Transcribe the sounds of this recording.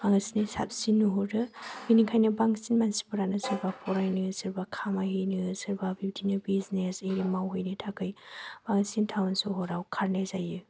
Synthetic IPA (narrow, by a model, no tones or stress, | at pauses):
baŋɯsinisa̰p̚sinːuɦɔɾɯbiniŋkʰajnɯbaŋsinmansi̥pɯɾanɯsɯɾbapʰɔɾajnɯsɯɾbakʰamaɦɯjnɯsɯɾbabidinɯbiznesejɾimawɦojnɯtʰakʰɯjb̥aŋsintʰawnsɔɦɔɾawkʰaɾnezajɯ